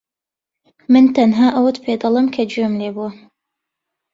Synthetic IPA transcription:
mɨnt̪ɐnɦaːʔɐwət̪pʰeːd̪ɐlˠɨmkʰɐd͡ʒuɛmleːbuwɐ

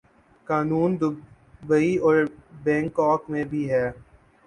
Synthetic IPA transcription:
kaːnuːnd̪ʊ | bəiɔːɾbɛ̃ːŋkɔːkmẽbʱiɦɛː

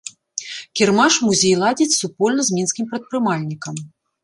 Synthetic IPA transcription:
kʲirmaʂmuzʲejlˠad͡zʲit͡sʲsupɔlʲnɐzʲmʲinskʲimpɾɐt̪̚pɾɨmalʲnʲikɐm

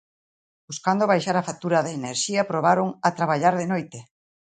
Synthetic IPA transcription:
buskand̪oβajʃaɾafat̪uɾaðaeneɾʃiapɾoβ̞aɾoŋat̪ɾaβaʎaɾðenojt̪e

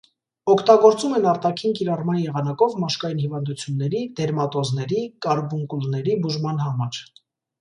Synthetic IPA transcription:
ɔkʰt̪ɑɡɔɾt͡sumɛnɑɾt̪ɑkʰinkiɾɑrmɑnjɛʁɑnɑkɔvmɑʃkɑjinhivɑnd̪ut͡sʰjunːɛɾid̪̥ɛɾmɑt̪ɔznɛɾikɑɾbuŋkulnɛɾibuʒmɑnhɑmɑɾ

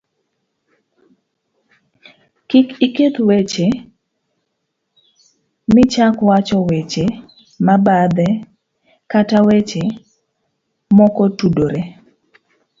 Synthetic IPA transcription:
kikiket̪wet͡ʃe | mɪt͡ʃakwat͡ʃɔwet͡ʃe | mabad̪ɛ | katawet͡ʃe | mɔkɔtudoɾe

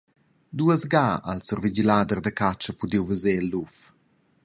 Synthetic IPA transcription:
d̪uəzɡaa̰lsɔrvid͡ʒilad̪ərd̪əkat͡ʃəpud̪iwvəzelːuf

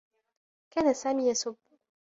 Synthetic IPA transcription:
kaːnasaːmiːjasʊb

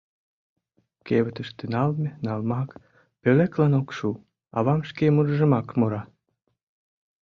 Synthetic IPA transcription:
keβət̪əʃt̪enɑlmʲenɑlmɑk | pøleklɑnokʃu | ɑ̰βɑmʃkemurʒə̆mɑkmoɾɑ

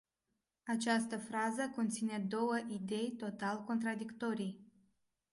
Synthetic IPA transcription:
at͡ʃast̪əfɾazəko̞nt̪sine̞d̪o̞wəʔid̪e̞jt̪o̞t̪alko̞nt̪ɾad̪ikt̪o̞ɾij

